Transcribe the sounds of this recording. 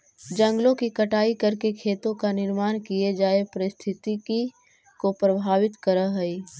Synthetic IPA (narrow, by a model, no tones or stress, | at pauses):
d͡ʒɐ̃ŋɡlõkikɐʈaːikɐɾkekʰeːt̪õkanɪɾmaːnkied͡ʒaːepəɾɪst̪ʰɪt̪iki | kopɾəbʱaːʋɪt̪kəɾəɦɐi